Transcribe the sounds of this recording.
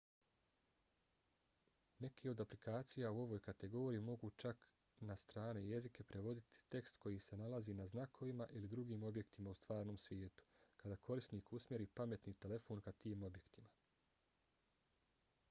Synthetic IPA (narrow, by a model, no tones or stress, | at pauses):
ne̞kʰio̞d̪aplikaːt̪sijauo̞ʋoːjkat̪e̞ɡo̞ːɾijimo̞ɡut͡ʃak | nast̪ɾaːne̞je̞zike̞pɾe̞ʋo̞d̪it̪ʰi̥t̪e̞kst̪ko̞jise̞nalazinaznakʰo̞ʋimaʔilid̪ɾuɡiːmo̞bje̞kt̪imaust̪ʋaːɾno̞ːmsʋʲjeːt̪u̥kad̪akʰo̞ɾist̪niːkusmʲje̞ɾiːpame̞t̪nit̪e̞le̞fo̞ːnkat̪iːmo̞bje̞kt̪ima